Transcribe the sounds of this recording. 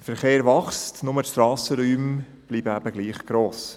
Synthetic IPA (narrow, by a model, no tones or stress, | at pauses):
fəɾχeːɾvɑχstnʊməʃtɾɑːsəɾyːm | b̥liːbəæb̥əɡ̥liːχɡ̥ɾoːs